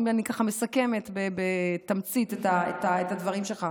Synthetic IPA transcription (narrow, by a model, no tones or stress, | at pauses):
manikaχame̞sake̞me̞t̪bebetamt͡sit̪etaḛtaetadvɐʁimʃe̞lχa